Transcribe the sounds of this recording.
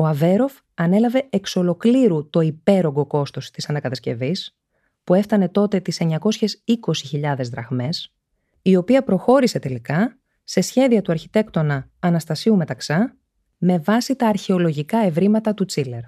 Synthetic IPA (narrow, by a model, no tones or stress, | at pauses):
oɐve̞ɾo̞f | ɐne̞lɐve̞ekso̞lo̞kliɾut̪o̞ipe̞ɾo̞ŋɡo̞ko̞st̪o̞st̪isɐnɐkɐt̪ɐsce̞̰vis | pue̞ft̪ɐne̞t̪o̞t̪e̞t̪ise̞ɲɐko̞sçe̞siko̞siçiʎɐðe̞zðɾɐɣme̞s | io̞piɐpɾo̞xo̞ɾise̞t̪e̞likɐ | se̞sçe̞ðiɐt̪uɐɾçit̪e̞kt̪o̞nɐːnɐst̪ɐsiume̞t̪ɐksɐ | me̞vɐsit̪ɐːɾçe̞olo̞ʝikɐe̞vɾimɐt̪ɐt̪ut͡sile̞ɾ